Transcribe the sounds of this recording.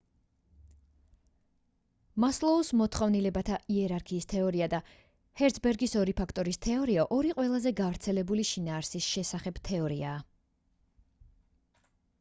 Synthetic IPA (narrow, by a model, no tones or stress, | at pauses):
maslˠɔusmɔt̪ʰχɔvnilɛbat̪ʰaʔiɛɾaɾkʰiːst̪ʰɛɔɾiad̪a | hɛɾt̪sʰbɛɾɡisɔɾipʰakʰt̪ʼɔɾist̪ʰɛɔɾiaʔɔɾiqʼwɛlˠazɛɡavɾt̪sʰɛlɛbuliʃinaːɾsisʃɛsaχɛb̥t̪ʰɛɔɾiaː